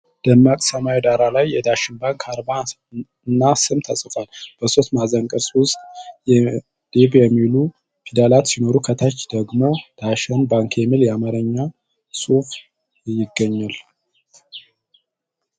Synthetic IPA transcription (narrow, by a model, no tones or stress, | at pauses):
d̪̥əmːakʼsəmawid̪aɾalajːɛd̪aʃɪnbaŋkʰaɾba | nːasɨmt̪ʰəsʼfalb̥əso̞t̪mazəŋkʼɨɾswʊst̪ʼjɛ | d̪̥ebjɛmːilu | pʰid̪alat̪sino̞ɾukʰət̪ʰat͡ʃːd̪̥əɡmo̞d̪̥aʃɛnbaŋkʰjɛmiljɛamaɾəɲːa | sʼuf | jɪɡːəɲːal